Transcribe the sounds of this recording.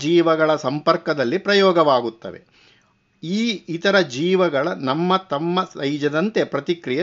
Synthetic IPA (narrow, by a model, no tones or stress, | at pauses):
d͡ʒiːʋɐɡɐɭɐsɐmpɐɾkɐd̪ɐlːipɾɐjɔːɡɐʋaːɡut̪ːɐ̰ʋḛ | iːit̪ɐɾɐd͡ʒiːʋɐɡɐɭɐnɐmːɐt̪ɐmːɐsɐjd͡ʒɐd̪ɐnt̪e̞pɾɐt̪ikɾijɐ